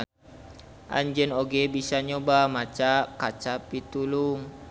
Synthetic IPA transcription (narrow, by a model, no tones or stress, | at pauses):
ʔa̰ɲd͡ʒənoɡebisaɲobamat͡ʃaʔkat͡ʃapit̪uluŋ